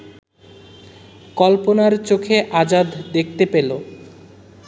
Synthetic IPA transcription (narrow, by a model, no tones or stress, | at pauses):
kɔlponaɾt͡ɕokʰeʔad͡ʑad̪d̪ek̚ʰt̪epelo